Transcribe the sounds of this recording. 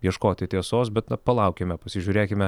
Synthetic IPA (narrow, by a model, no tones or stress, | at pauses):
jiɛʃkoːt̪ʲɪt̪ʲiɛsoːsbʲɛt̪nɐpɐlˠɐʊkʲemʲɛpɐsʲɪʒʲuːɾʲeːkʲɪmʲɛ